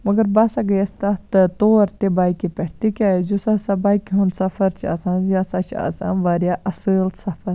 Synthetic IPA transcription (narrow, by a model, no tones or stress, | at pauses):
mɐɡɐɾbaːsaɡɐjɐst̪ɐt̪ɐt̪oːɾt̪ebaːikipɛʈʰt̪ikʲaːzusɐsɐbaːikiɦũnsɐfʰɐɾt͡ʃʰa̰ːsãːnjaːsat͡ʃʰa̰ːsa̰ːnʋaːɾjaʔɐsəlsɐfɐɾ